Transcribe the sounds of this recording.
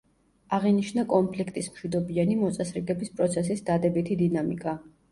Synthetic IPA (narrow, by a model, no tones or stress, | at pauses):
aʁiniʃnakʼɔnpʰlikʰt̪ʼismʃwid̪ɔbianimɔt̪sʼasɾɛɡɛbispʼɾɔt̪sʰɛs̬isd̪ad̪ɛbit̪ʰid̪inamḭkʼa